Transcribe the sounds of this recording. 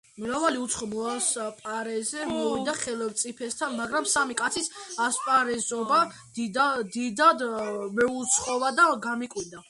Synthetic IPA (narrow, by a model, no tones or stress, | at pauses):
mɾavaliut̪sʰχɔmɔaspʼaɾɛzɛmiɔvid̪aχɛlɛvt̪sʼipʰɛst̪ʰanmaɡɾamsamikʼat̪sʰisaspʼaɾɛzɔba | d̪id̪ad̪mɛut̪sʰχʼɔvad̪aɡamikʼwind̪a